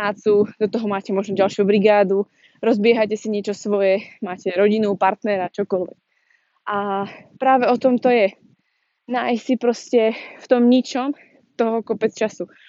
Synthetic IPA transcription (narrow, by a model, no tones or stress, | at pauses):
aːt͡sud̪ɔt̪ɔɦɔmaːcɛmʊɔʒnɔɟalʃjubɾiɡaːd̪u | ɾɔzbɪɛɦacɛsiɲɪɛt͡ʃɔsʋɔjɛmaːcɛɾɔɟinupaɾt̪nɛɾat͡ʃɔkɔlʋɛ̰k̚ | ʔapɾaːʋɛɔt̪ɔmt̪ɔjɛ | najsipɾɔscɛft̪ɔmɲit͡ʃɔm | t̪ɔɦɔkɔpɛt͡st͡ʃasu